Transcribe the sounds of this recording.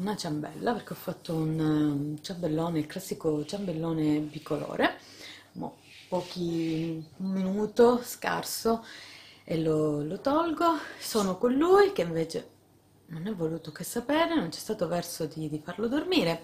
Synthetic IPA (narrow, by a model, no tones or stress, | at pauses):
unat͡ʃambɛ̰lːaperkeɔfːat̪ːount͡ʃambelːoːneilklasːikot͡ʃambelːoːnepikːolo̰ːɾe | ma̰ | pːɔːk̟i | ummːinuːt̪oska̰rso | elolot̪ɔlɡosoːnokonluːjkeiɱveːt͡ʃe | nonɛvːoluːt̪okesːapeːɾenont͡ʃɛst̪aːt̪ovɛrsod̪id̪ifarlod̪ormiːɾe